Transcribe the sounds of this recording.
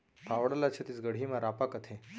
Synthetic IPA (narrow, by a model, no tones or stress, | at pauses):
t̪ʰaʋɽalat͡ɕʰet̪it͡sɡəɽ̤imaɾapakət̪ʰe